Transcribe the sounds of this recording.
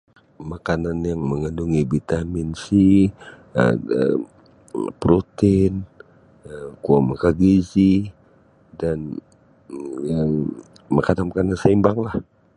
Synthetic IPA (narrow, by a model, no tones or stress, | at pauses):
makananjaŋməŋənduŋibit̪amɪnsi | a̰ə̰ | pɾot̪in | kuamakaɡizi | dan | jaŋ | makananmakanansaimbaŋlah